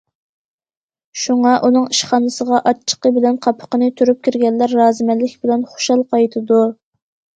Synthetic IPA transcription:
ʃuŋɑʔunɨŋiʃχɑnɨsəʁɑʔɑt͡ʃʰːə̥qəbɪlɛnqʰɑpʰːə̥qənɨt̪ʰyɾyp̚kʲʰiɾɡʲɛnlæɾːɑːzɨmɛlːɪkʲbɪlɛnχo̥ʃɑlˠqʰɑjt̪ʰɨd̪u

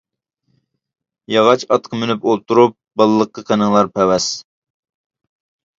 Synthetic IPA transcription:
jɑʁɑt͡ʃɑt̪qʰəmynypolˠt̪ʰuɾup̚bɑlˠəlˠəqːəqʰenɨŋlˠɑɾpʰɛwɛs

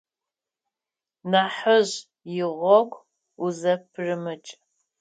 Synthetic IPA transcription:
naħəʑ | jɪʁʷɔɡʷ | uzɐpʰrɨmɨt͡ʃʼ

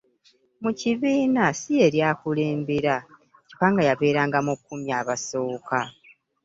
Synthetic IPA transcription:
muciβiːnasije̞ɾjaːkuleːmbiɾa | ci̥kaːŋɡajaβe̞ːɾaːŋɡamukːumjaːβaso̞ːka

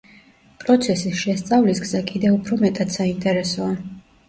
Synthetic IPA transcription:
pʼɾɔt̪sʰɛsisʃɛst̪sʼavlisɡzakʼid̪ɛupʰɾɔmɛt̪ʼad̪̥saint̪ʼɛɾɛsɔa

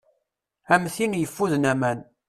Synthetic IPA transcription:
æmθinjəfːuðnæmæn

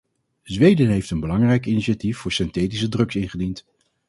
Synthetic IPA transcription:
zʋejdənɦejftənbəlɑŋrɛjkiniʃatifːʊːɹsɪnteːtis̬ədrɵksɪnχədint

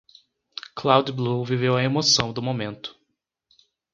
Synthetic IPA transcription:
klawd͡ʒɪbluvivewɐemosɐ̃w̃d̪ʊmomẽnt̪ʊ̥

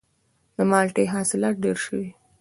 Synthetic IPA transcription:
d̪əmɑlʈeɦɑsɪlɑt̪̚ɖeɾʃəwi

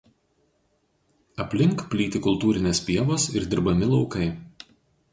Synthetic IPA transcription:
ɐpʲlʲɪŋkpʲlʲiːt̪ʲɪkʊlˠˑt̪uːɾʲɪnʲeːspʲiɛʋoːsɪɾd̪ʲɪɾbɐmʲɪlˠɒʊkɐɪ

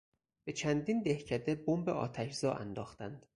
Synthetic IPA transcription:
b̥e̞t͡ʃʰænd̪iːnd̪e̞hcʰæd̪ebombeʔɒ̰ːt̪ʰæʃzɒːʔæ̰nd̪ɒːxt̪ænd̪̥

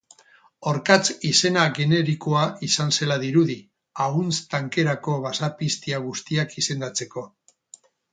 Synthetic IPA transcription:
oɾkat͡sise̞naɣe̞ne̞ɾikoaisanse̞laðiɾuði | aɣunt͡st̪aŋke̞ɾako̞βasapist̪iaɣ̞ust̪iakise̞nd̪at͡se̞ko̞

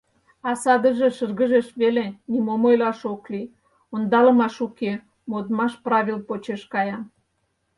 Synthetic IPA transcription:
ɑsɑd̪ə̆ʒeʃərɣə̆ʒeʃβelenimomojlɑʃokli | ond̪ɑlə̆mɑʃuke | mod̪mɑʃprɑβʲilpot͡ɕeʃkɑjɑn

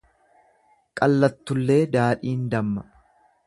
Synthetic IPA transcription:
kʼɐlːɐt̪ːʊlːe̞ːd̪aːᶑiːnd̪ɐmːɐ

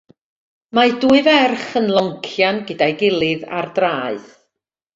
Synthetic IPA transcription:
maduɨvɛrχənlˠɔŋkʰjanɡədajɡɪlˠɨða̰rdraːɨð

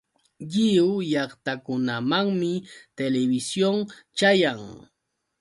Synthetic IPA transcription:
ʎɪʊjɑχt̪akʊnamaŋmɪt̪elebɪsjoŋt͡ʃajaŋ

